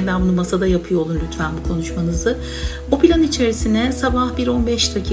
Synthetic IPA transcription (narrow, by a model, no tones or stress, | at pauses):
d̪ænbunumasad̪ajapʰɯjolˠunlʲyt̪ʰfænbukʰo̞nuʃmanɯzɯ | opʰilʲanit͡ʃʰe̞ɾisinɛsabahbiɾo̞nbɛʃt̪ʰacʰi